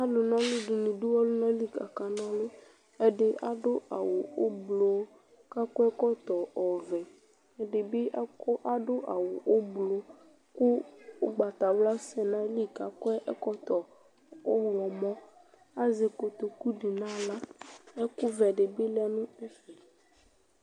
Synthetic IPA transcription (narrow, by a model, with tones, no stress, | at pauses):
a˦lʊ˨nã˦lʊ˦ɖʊ˨nũ˨ɖu˦wɔ˦lʊ˦nã˦li˦ka˨ka˨nã˦lʊ˦ | ɛ˨ɖɪ˨a˦ɖʊ˦a̰˨wʊ˨o˦blo˨˦ | ka˦kʊ˦ɛ˦kɔ˦t̪ɔ˨ɔ˨vɛ˨ | ɛ˨ɖe˨bɪ˦kʔa˦ɖʊ˦ʔa˨wʊ˨ʔo˦blo˨˦ | kʊ˦ɡ͡ba˨t̪a˨wla˦sɛ˨nã˦li˦ka˨kɔ˦ɛ˦ʔɛ˦kɔ˦t̪ɔ˨ | ɔ˦˨lɔ˨mɔ̃˦ | a˦ze˨ko˨t̪o˨ku˦ɖi˨nã˦la˦ɛ˦kʊ˦vɛ˨ɖe˨be˦lɛ˦nũ˦ɛ˦fɛ˨